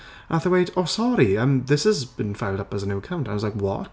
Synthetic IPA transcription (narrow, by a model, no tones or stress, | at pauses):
ʔaθəweɪtʰəʊsɔɾiə̃mðɪshəzbĩnfaɪlˠdʌpəzənuəkʰãʊ̃ntãmʌzlaɪkwɔ̰t